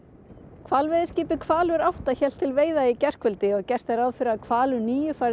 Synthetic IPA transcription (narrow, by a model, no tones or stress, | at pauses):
kʰvalvɪðɪsciːpɪkʰvaːlʏɾawht̪açɛl̥t̪ʰːɪlveːjðaicɛr̥kvʏlt̪ɪɔɣcɛr̥t̪aɾawðfɪɾɪaðkʰvaːlʏniːjʏfaɾ